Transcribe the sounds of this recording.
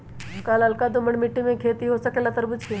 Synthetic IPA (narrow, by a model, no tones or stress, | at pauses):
kaːlɐlkad̪ʊməɳmɪʈːimẽkʰeːt̪iɦosəkelat̪əɾbʊt͡ʃke